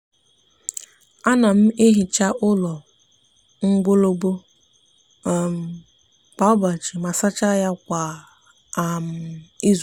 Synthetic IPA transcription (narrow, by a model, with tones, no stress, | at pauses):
a˦na˨m̩˦e˦ɦi˨t͡ʃa˦ʔʊ˦lɔ˨ | ŋ̩˦ɡʷo˦lo˦bo˦˨ | m̩˨ | k͡pa˨ʊ˦ba˨t͡ʃi˨ma˨sa˦t͡ʃa˦ja˦kʷa˨ | m̩˨i˦z